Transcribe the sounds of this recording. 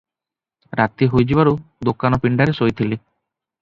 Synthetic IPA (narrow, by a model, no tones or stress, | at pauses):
ɾat̪iɦojd͡ʒibaɾud̪okanɔpiɳɖaɾesojt̪ʰili